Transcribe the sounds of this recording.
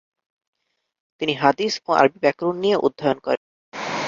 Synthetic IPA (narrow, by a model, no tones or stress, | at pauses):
t̪iniɦad̪isoa̰ɾbibɛkɾunːijeʔṵd̪ʱːajonkɔ̰ɾen